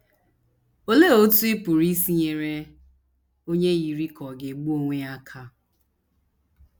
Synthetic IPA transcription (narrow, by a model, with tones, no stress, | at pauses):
o˦le˦o˦tu˦ɪ˦pʊ˨ɾi˦si˦ɲe˨ɾe˦ | o˦ɲe˦ji˨ɾi˦kɔ˨ɡe˨ɡ͡bu˦o˦ŋʷe˦a˦kʰa˦